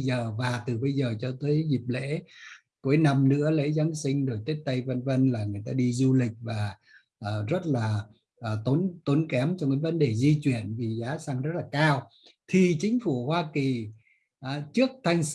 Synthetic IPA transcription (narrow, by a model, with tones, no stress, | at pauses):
zəː˨˩vaː˨˩t̪ɨ˨˩ɓə˧jzəː˨˩t͡ɕɔ˧t̪əː˨˦jzi˨˩p̚lḛ˧˥ | ku˨˦jna˧mnɨ̰˧˥əlḛ˧˥za˨˦nsï˧ŋ̟ɗo˨˩jt̪e˦˥t̚t̪ə˧jvə˧nvə˧nlaː˨˩ŋɨ˨˩əjt̪aː˧ɗi˧zu˧lï˨˩k̟̚vaː˨˩ | ʔəː˨˩zə˦˥t̚laː˨˩ | ʔːt̪o˨˦nt̪o˨˦nkɛ˨˦mt͡ɕɔ˧kɨ̰˧˥və˨˦nɗe˧˨˩zi˧t͡ɕwi˧˩ənvi˨˩zaː˨˦saː˧ŋzə˦˥t̚laː˨˩kaː˧w | t̪ʰi˨˩t͡ɕï˨˦ŋ̟fu˧˩hwaː˧ki˨˩ | ʔt͡ɕɨ˦˥ək̚t̪ʰa˧jŋ̟s